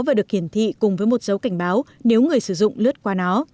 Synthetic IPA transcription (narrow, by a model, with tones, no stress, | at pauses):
vaː˨˩ɗɨ˨˩ək̚hi˧˩ənt̪ʰḭ˧˨kʊ˨˩ŋ͡mvəː˨˦jmo˨˩t̚sə˨˦wka˧˩jŋ̟ɓaː˨˦wne˨˦wŋɨ˨˩əjsɨ˧˩zʊ̰˧˨ŋ͡mlɨ˦˥ət̚kwaː˧nɔ˨˦